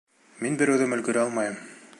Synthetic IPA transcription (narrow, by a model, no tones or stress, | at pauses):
minbɘ̆ɾæwðɘmɵ̆lɡɵ̆ɾɘɑlˠmɑjɤm